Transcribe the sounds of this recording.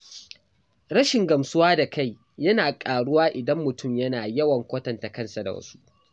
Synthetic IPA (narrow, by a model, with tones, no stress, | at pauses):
ɽɐ˦ʃɪ˨ŋɡɐ˨msʊ˦waː˦da˨kʰa˦˨j | jɐ˦naː˨kʼaː˨ɽʊ˦waː˦ʔɪ˨dɐ˦mːʊ˨tʊ˦˨mjɐ˦naː˨jɐ˦wɐ˨ŋkʷoː˦tɐ˨nta˨kɐ˦˨nsa˨da̰˨wɐ̰˦su̥˦ʔ